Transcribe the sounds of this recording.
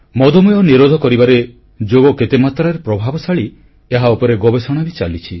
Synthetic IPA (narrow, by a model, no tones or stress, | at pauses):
mɔd̪ʱɔmɔjɔniɾod̪ʱɔkɔɾibaɾe | d͡ʒoɡɔket̪emat̪ɾaɾepɾɔbʱabɔsaɭi | eɦaupɔɾeɡɔbesɔɽ̃abit͡ʃalit͡ʃʰi